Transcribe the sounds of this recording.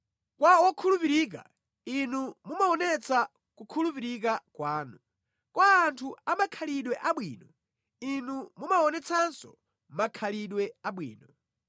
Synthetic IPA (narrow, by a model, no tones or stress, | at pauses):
kwaɔkʰulupiɾiːk̬a̰ | inumumaɔnɛt͡sʰa | kukʰulupiɾik̬akwaːnu | kwaːntʰuamakʰaliɗwɛʔaɓwiːnɔ | inumumaɔnɛt͡sʰansɔ̰ | makʰaliɗwɛaɓwḭːnɔ